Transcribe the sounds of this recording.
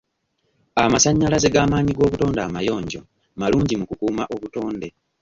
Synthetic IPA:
amasaɲːalazeɡaːmaːɲiɡo̞ːβuto̞ːndaːmajo̞ːɲɟo̞̰ | maluːɲɟimukukuːmaʔo̞βuto̞ːnde̞

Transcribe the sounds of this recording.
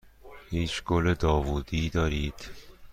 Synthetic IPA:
hiːt͡ʃɡoled̪ɒːvuːd̪iːd̪ɒːɾiːd̪̥

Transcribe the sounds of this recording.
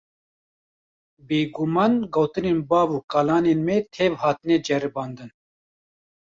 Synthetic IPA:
beːɡumɑːnɡowt̪ɨneːnbɑːvuːkaːlaːneːnmɛt̪ʰeːvhɑːt̪ɨnɛd͡ʒɛɾɨbɑːnd̪ɨn

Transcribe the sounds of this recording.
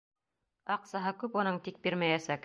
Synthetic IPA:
ɑqsɑɦɤkʉpunɤɴt̪ik̚biɾmæjæsæk

